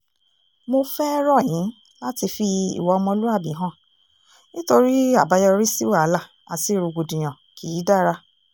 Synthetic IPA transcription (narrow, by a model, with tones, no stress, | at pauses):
mo˧fɛ˦ɾɔ˦˨j̃ĩ˨˦ | la˦ti˧fi˧ḭ˨wɔ˨˧ɔ˧mɔ̃˧lu˦a˦˨bĩ˨˦ɦã˦˨ | nĩ˦to˧ɾi˦a˦˨ba˧jɔ˧ɾi˦si˦wa˦˨a˨˦la˦˨ | a̰˨ti˨˦˨ɾo˧ɡo˨dũ˨j̃ã˨ki˨i˨˦da˦ɾa˧